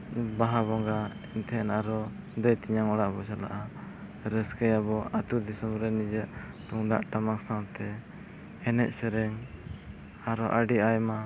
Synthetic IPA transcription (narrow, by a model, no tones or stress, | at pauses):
baɦaβɔŋɡa | int̪ʰɛɛnaɾɔ | d̪ɔjt̪iɲaŋɔɽaʔbɔsala̰ʔa | ɾəskəjabɔʔat̪ud̪isɔmɾɛnid͡ʒəʔ | t̪uŋd̪a̰ʔʈamaksawt̪ɛ | ɛnɛc̚sɛɾɛŋ | aɾɔʔəɖiajma